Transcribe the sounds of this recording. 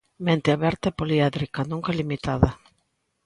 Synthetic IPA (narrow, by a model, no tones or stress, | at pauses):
mẽnt̪ɪaβɛɾt̪aepoliaðɾikanũŋkalimit̪aða